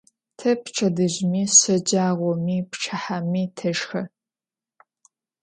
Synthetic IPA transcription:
tʰɐpʰʈ͡ʂʰʼɐdɨʑmiːɕɐd͡ʒaːʁʷɔmiːpʰʈ͡ʂʰɐħamiːtʰɐʒxɐ

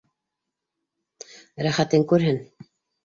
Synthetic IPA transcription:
ɾæχæt̪ɘŋkʉɾhɘn

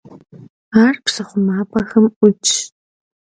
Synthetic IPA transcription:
aːrpsɐχʷʊmaːpʰʼɐxɐmʊt͡ʃʰʼ

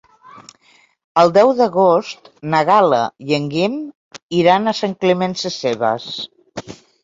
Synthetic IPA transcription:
əlˠd̪ɛwðəɣost̪nəɣalə̰jəŋɡim | iɾanəsaŋklemɛnsəseβə̰s

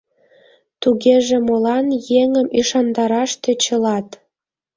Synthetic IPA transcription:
t̪uɣeʒĕmolɑnjeŋəmʔiʃɑnd̪ɑɾɑʃt̪et͡ɕə̆lɑt̪

